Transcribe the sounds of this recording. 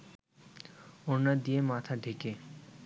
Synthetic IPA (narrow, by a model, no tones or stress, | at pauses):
oɾnad̪ijemat̪ʰaɖʱeke